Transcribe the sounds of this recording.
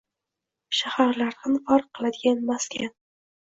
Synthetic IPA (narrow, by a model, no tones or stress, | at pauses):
ʃahaɾlaɾhɨnfɑɾqʰːɨlˠad̪ɪɡʲanmaskʲʰan